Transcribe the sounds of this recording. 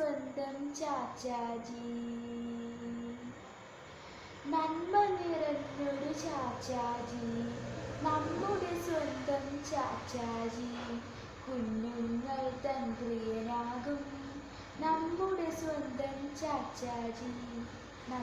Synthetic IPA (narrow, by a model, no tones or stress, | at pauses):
ɐnd̪ʱɐmt͡ɕaːt͡ɕaːd͡ʒi | nɐnmɐniɾɐnːoɽut͡ɕaːt͡ɕːaːd͡ʑi | nɐmːuɽesʋɐnd̪ʱɐmt͡ɕaːt͡ɕːaːd͡ʑi | kunːunŋːɐɭt̪ɐnprijɐnaːɡum | nɐmːuɽesʋɐnd̪ʱɐmt͡ɕaːt͡ɕaːd͡ʑi | nɐ